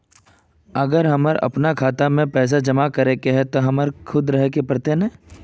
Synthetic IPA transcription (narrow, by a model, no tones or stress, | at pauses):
ɐɡəɾɦɐməɾɐ̰pnakʰaːt̪amẽpɛːs̬ad͡ʒɐmakɐɾekeɦɛt̪oɦɐməɾkʰʊd̪ɾɐɦkepɐɾt̪enɐ̃ː